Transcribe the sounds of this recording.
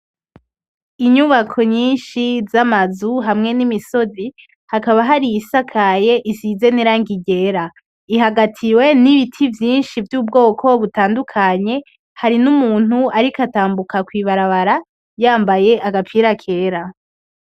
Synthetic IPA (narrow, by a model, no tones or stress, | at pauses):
iɲuβakʰo̞ɲiːnʃizamazuɦamŋe̞nimiso̞zi | hakaβaɦaɾijisakʰaje̞ʔizize̞niɾaŋɡiɟe̞ːɾa | iɦaɡatʰiwe̞niβitʰivjiːnʃivjuːb̚ɡo̞ːkʰo̞βutaːndukʰaɲe̞ | haɾinumuːn̥uaɾikataːmbukakwiβaɾaβaɾa | jaːmbaje̞ʔaɡapiɾakʰe̞ːɾa